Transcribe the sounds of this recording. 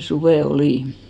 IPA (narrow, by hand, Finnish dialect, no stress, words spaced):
suʋeˑ oliˑn